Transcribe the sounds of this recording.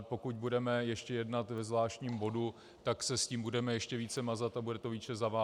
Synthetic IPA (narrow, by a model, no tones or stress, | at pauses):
po̞kuc̚budɛmɛjɛʃcɛjɛdnat̪vɛzvlaːʃcɲiːmbo̞du | t̪aksɛsciːmbudɛmɛjɛʃcɛviːt͡sɛmazat̪abudɛt̪o̞viːt͡ʃɛzavaː